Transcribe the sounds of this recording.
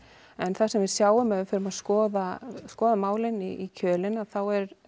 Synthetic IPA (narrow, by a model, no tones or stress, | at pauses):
ɛnθasɛmvɪðsjaːwʏmɛðfɪɾʏmaðskɔːðaskɔːðamaːwlɪniicʰœːlɪnaðθawɛɾ